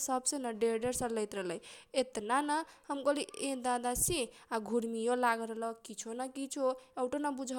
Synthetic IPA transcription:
səbsenəɖeɾɖeɾsələɪt̪ɾəɦləjet̪nanəhəmkoliẽd̪ad̪asiaɡʱuɾmijolaɡɾələkit͡ʃʰonakit͡ʃʰoewʈonabud͡ʒʱə

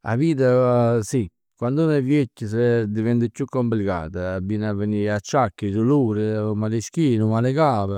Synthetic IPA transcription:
a̰viːt̪̬asi | kːwand̪unavjecːəsed̪ɪvɛnt̪ɪkːukːomplika̰ːt̪aːbiːnavːeniat͡ʃːakːisuluːɾɪmaliʃkiːnʊmalɪkaːpə

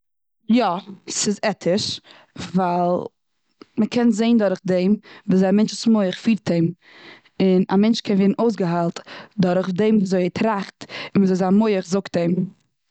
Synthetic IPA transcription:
jɔsɪzɛtʰɪʃ | valˠ | məkʰɛnzeɪndɔɾχdeɪmvuːzaamɛnt͡ʃɪsmoɪəχfiːɾtʰeɪm | ɪna̰mɛnt͡ʃkʰɛnveːdn̩ʔoʊs̬ɡəɦalˠtdɔɾχdeɪmvuzoɪɛtʰɾaχtɪnvzɔɪlˠzaːnmoɪəχzʊkt̚eɪm

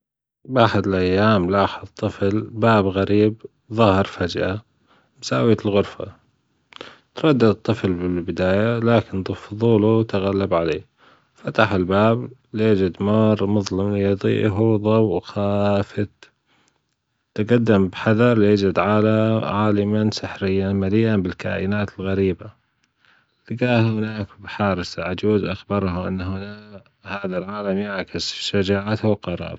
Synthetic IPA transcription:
bʔaħɪd̪ɪlʔajːaːmlaːħɑðˤt̪ˤɨflbaːbɣaɾiːb | ðˤɑːhɪɾˤfad͡ʒʔa | bsaːwit̪ɪlɣʊɾfa̰ | t̪ɾˤɑd̪ːɪd̪t̪ˤːɨflbɪlbɪd̪aːjalaːkɪnd̪ˤɨfðˤuːluwt̪aɣalːabʕaleː | fat̪aħɪlbaːbljɪd͡ʒɪd̪mʊɾˤmʊðˤlɪmlɪjd̪ˤḭːʔɦuðˤɑwwxaːfɪt̪ | t̪aɡad̪ːambħaðɑɾˤljɪd͡ʒɪd̪ʕaːlaʕaːlɪmansɪħɾɪjːanmalɪjːanbɪlka̰ːʔɪnaːt̪ɪlɣaɾiːba | lɡaːhhɪnaːkbħaːɾɪsaʕad͡ʒuːzʔaxbɑɾˤɦʊʔɪ̰nːhʊnaː | haːðalʕaːlamjaʕkɪsʃad͡ʒaːʕat̪hwlqɑɾˤɑ̰ːɾˤ

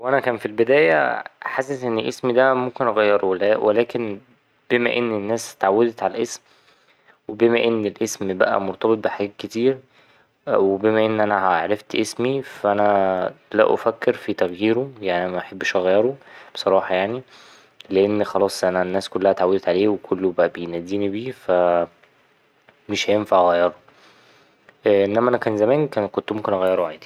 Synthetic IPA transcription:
wʔænækæːnfilbed̪æːjæ̰ħasezʔenːeʔesmid̪æmomkenʔɑɣæjːɑɾˤowelæwʔelæːken | b̥emæ̰ʔenːenːæːst̪ʕawːæd̪et̪ʕalæʔesm | webemæʔenːelʔesmbæ̰ʔæ̰moɾt̪ˤɑbet̪ˤbeħaɡæːt̪̚ket̪iːɾ | webemæʔenːʔænæhæʕɾɑft̪ʔesmifæʔænælæ̰ʔo̰fækːeɾfit̪æɣjiːɾojaʕnimæʔæħebːeʃʔæɣæjːɑɾob̥e̥sˤɑɾˤɑːħɑjaʕni | leʔenːxɑlɑːsˤʔænænːæːskolːæhæt̪ʕawed̪et̪ʕaleːwekʰolːobæʔæbejnæd̪ːiːnibiːfæ | meʃhæjenfaʕʔɣæjːɑɾˤo | ʔʔenːæmæʔænækæːnzæmæːnkæn̚kont̪momkenʔæɣæjːeɾoʕeːd̪i̥

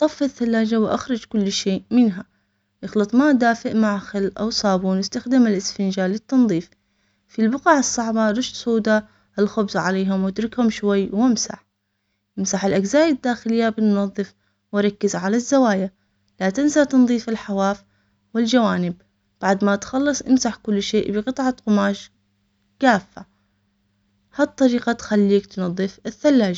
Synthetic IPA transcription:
ʔt̪ˤɑfːaθːalːaːd͡ʒawʔa̰xɾˤɑd͡ʒkʊlːʃeːʔmɪnɦa | jɪxlɨt̪ˤmaʔd̪aːfɪʔmaʕxɪlʔa̰wsˤɑːbuːnwɪst̪axd̪ɪmɪlʔɪsfɪnd͡ʒaːlːɪt̪ːɑnðˤiːf | filbʊqɑːʕɨsˤːɑʕbɑɾˤɑʃt̪sˤuːd̪a | ʔɪlxʊbsˤʕaleːɦʊmwɪd̪ɾɪkhʊmʃwajːwɪmsa̰ħ | ʔɪmsaħɪlʔaɡzaːjad̪ːaːxɪlɪjːabɪnnɑðˤːɨf | wɪɾˤɑkːɪzʕalazːawaːja | lat̪ɪnsat̪ɨnðˤiːfɪlħawaːf | wɪld͡ʒawaːnɪb̚ | b̥aʕd̪mat̪xɑlːɨsˤʔɪmsaħkʊlːʃeːʔbɨqɨt̪ˤʕɑqʊmaːʃ | kaːfːa | hat̪ˤːɑɾiːqɑt̪xalːiːkt̪nɑðˤːɨfɪθːalːaːd͡ʒ

